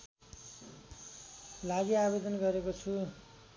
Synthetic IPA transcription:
laɡiabed̪ʌnɡʌɾekot͡sʰu

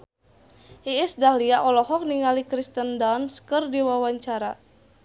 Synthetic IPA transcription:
ʔiɪsdahliaʔɔlɔɦɔk̚niŋalikɾist̪əndanskɨrdiwawaɲt͡ʃaɾa

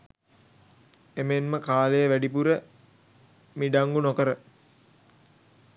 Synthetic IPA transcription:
emenməkaːləjəʋæɖipuɾə | miɖaŋɡunokəɾə

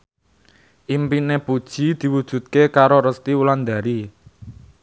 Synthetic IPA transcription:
ʔimpinepud̥ʒ̥i̤d̪̥i̤wud̥ʒ̥ṳt̪̚kekaɾoɾəst̪iuland̪a̤ɾi

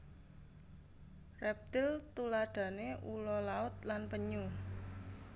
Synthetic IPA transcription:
rɛp̚t̪ɪlt̪ulaɖ̥ä̤neulɔlaʊt̪̚lanpəɲu

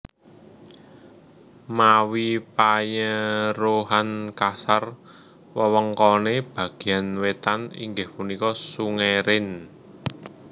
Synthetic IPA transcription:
mawipajəɾoɦankasar | wəwəŋkɔneb̥ä̤ɡ̥i̤anwet̪anḭŋɡɪhpunikɔsuŋeɾɪn

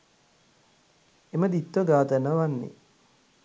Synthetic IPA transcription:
eməd̪it̪ːʋəɡaːd̪ənəʋanːḛ

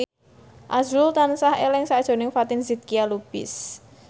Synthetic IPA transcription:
ʔazult̪ansahelɪŋsad̥ʒ̥o̤nɪŋfat̪ɪnzit̪̚kialub̥ɪ̰s

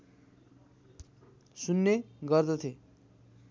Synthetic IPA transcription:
sunːeɡʌrd̪ʌt̪ʰie

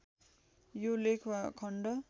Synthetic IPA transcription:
jolekʰwakʰʌɳɖʌ

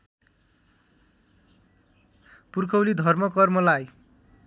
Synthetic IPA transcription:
purkʰʌwlid̪ʱʌrmʌkʌrmʌlaj

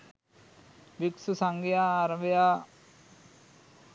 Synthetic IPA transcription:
ʋiksusaŋɡijaɾəʋja

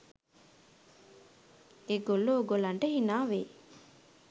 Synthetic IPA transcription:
eɡolːoːɡolɐɳʈəhinaːʋe

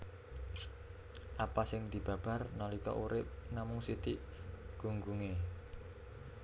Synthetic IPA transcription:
ʔapasɪŋd̪̥i̤b̥a̤b̥a̤rnɔlikɔ̰ʔuɾɪp̚namʊŋsit̪iʔ | ɡ̥ṳŋɡuŋe

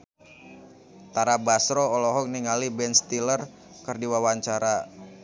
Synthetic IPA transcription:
t̪aɾabasɾɔːlɔɦɔk̚niŋalibɛnst̪ilər | kərdiwawaɲt͡ʃaɾa

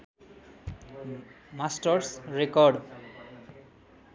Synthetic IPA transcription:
masʈɔɾsɾekɔɾɖ

